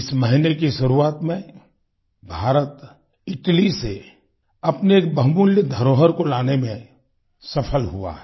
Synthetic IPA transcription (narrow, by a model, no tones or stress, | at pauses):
ɪsməɦɪnekiʃʊɾuaːt̪mẽ | bʱaːɾət̪ | ɪʈlise | ɐpneːk̚bə̃ɦbunləd̪ʱɐɾoːɦəɾkolaːnemẽ | sɐpʰəlɦṵa̰ɦɛ